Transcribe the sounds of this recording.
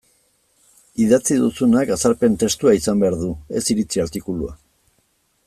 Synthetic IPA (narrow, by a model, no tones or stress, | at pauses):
iðat͡siðusunakasaɾpe̞nt̪e̞st̪uaisambe̞aɾðue̞siɾit͡siaɾt̪ikulua̰